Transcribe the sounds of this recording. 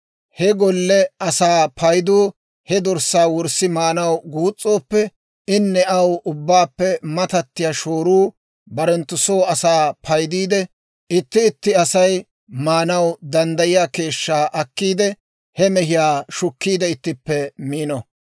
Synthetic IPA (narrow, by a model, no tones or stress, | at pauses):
hɛɡɔlːɛɐsaːpʰɐjd̪uː | hɛd̪ɔɾsːaːwɔɾsɪmaːnɐwɡuːt͡sʼːo̞ːpːɛ | ɪnːɛɐwʔʊbːaːpːɛmɐt̪ɐt̪ːɪjaːʃoːɾuː | bɐɾɛnt̪ːʊsoːɐsaːpʰɐjd̪iːd̪ɛ | ɪt̪ːɪːt̪ːɪɐsɐj | maːnɐwd̪ɐnd̪ɐjɪjaːke̞ːʃːaːʔɐkːiːd̪ɛ | hɛmɛɦɪjaːʃʊkːiːd̪ɛɪt̪ːɪpːɛmiːnɔ